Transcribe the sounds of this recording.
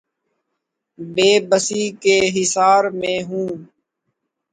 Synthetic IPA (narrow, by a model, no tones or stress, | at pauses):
beːbəsiːkeːɦɪsaːɾmẽːɦũː